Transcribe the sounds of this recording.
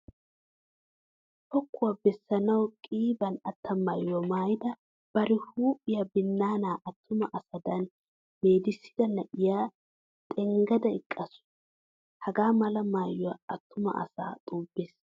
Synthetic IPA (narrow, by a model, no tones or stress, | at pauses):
hɔkːʊwabɛsːɐnɐwkʼiːbɐnɐt̪ːɐmaːjʊamaːjɪd̪ɐ | b̥ɐɾɪhuːpʼːɪjɐbɪnːaːnaːʔɐt̪ːʊmɐʔɐsɐd̪ɐn | meːd̪ɪsːɪ̥d̪ɐnɐʔɪjaː | t̪ʼɛŋɡɐd̪ɐɪkʼːɐsʊ̥ | hɐɡaːmɐlɐmaːjʊwɐɐt̪ːʊmɐ̰ʔɐ̰sa̰ːt̪ʼuːb̥ːeːs